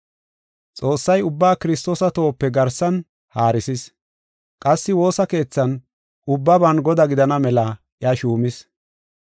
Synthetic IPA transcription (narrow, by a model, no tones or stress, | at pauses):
t͡sʼo̞ːsːɐjʊbːaːkɪɾɪst̪o̞ːsɐt̪o̞ːpːɛɡɐɾsɐn | haːɾɪsɪs | kʼɐsːɪwo̞ːsɐke̞ːt͡sːɐn | ʔʊbːɐbɐnɡɔd̪ɐɡɪd̪ɐnɐmɛlɐ | ʔɪɐʃuːmɪs